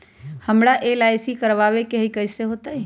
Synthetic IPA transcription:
həmɽaʔelaɪsikəɾʋaʋekeɦikəɪseɦot̪əi

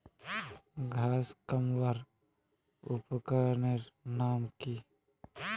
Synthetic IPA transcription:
ɡʱaːskəmwəɾ | ʊpkəɾneɾnaːmki

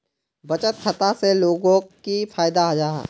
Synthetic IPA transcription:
bɐt͡ʃət̪kʰɐt̪aseloːɡõkifʰaːjd̪aɦɐd͡ʒaːɦa̰ː

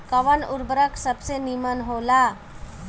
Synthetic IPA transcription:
kəʋənuɾbɾəksəbsenimənɦola

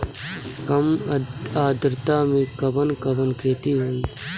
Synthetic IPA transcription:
kɐmaːd̪ɾt̪aːmĩkɐbənkɐbənkʰeːt̪iɦoːiː

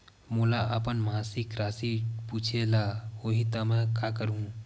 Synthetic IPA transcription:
molaʔəpənmaːsɪkɾaːsipuːt͡ʃʰelaoːɦit̪əmẽkakəɾũ

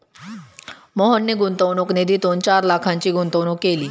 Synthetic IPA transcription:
mɔɦənːeɡunt̪əwnokned̪iːt̪ont͡ɕaɾlakʰãɲt͡ɕiːɡunt̪əwnokːeliː

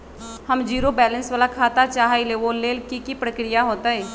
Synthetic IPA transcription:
həmd͡ʒiːɾobɛːlə̃nsʋaːlakʰaːt̪at͡ʃaːɦileʋoleːlkikipɾəkɾɪjaɦoːt̪aɦɛː

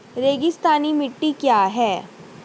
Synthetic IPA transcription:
ɾeːɡɪst̪aːnimɪʈːikjaːɦɛː

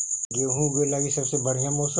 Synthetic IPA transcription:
ɡeɦũɡelaːɡisɐbsebɐɽ̤ijamoːsə

